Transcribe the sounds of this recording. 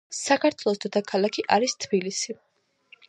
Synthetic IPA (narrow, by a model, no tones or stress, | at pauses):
sakʰaɾt̪ʰwlˠɔsd̪ɔt̪ʰakʰalˠakʰiʔaɾist̪ʰbilisi